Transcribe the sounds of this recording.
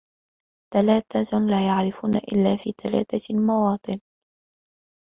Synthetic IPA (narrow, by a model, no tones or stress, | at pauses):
t̪alaːt̪alaːjaʕɾɪfuːna̰ʔɪ̰lːaːfiːt̪ala̰ːt̪almɑwɑːt̪ˤɨn